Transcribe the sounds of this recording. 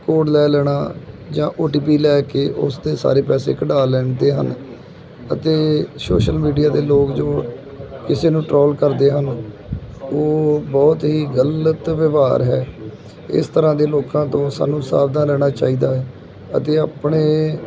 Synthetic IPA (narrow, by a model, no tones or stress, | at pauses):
koːɖlɛːlɛːɽ̃aːd͡ʒãːʔoːʈiːp̬iːlɛːkeːʔʊ̰sd̪eːsa̰ːɾeːpɛːsḛːkəɖaːlɛːɳd̪eːɦə̰n | ət̪eːso̰ːʃəlmiːɖijaːd̪eːloːkd͡ʒoː | kɪseːnũːʈɾɔːlkəɾd̪eːɦən | oːbɔːt̪ɦiːɡələt̪ʋɪʋaːɾɦɛ̰ː | ɪ̰st̪əɾãːd̪eːloːkãːt̪õːsa̰ːnũːsa̰ːbd̪ãːlɛːɽ̃aːt͡ʃa̰ːiːd̪aːɛ | ə̰t̪eːaːpɳeː